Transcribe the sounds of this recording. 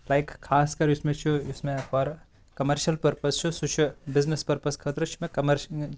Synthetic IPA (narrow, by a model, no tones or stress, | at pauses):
laɪkkʰːaːskɐɾʊsmẽt͡ʃʰuɪsmẽaɾ | kɐmɐɾʃɐlpɐɾpɐst͡ʃʰusut͡ʃʰubɪznespɐɾpɐskʰɐt̪ɾɐt͡ʃʰumẽkɐmɐɾ